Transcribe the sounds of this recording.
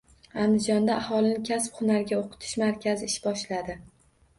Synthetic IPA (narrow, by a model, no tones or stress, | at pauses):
and̪ɪd͡ʒɒnd̪aʔːhɒlˠɪnɪkʲʰasphʊnaɾɡʲaoqʰɨ̥t̪ʰɪ̥ʃmaɾkʲʰazɪːʃbɒʃlad̪ɪ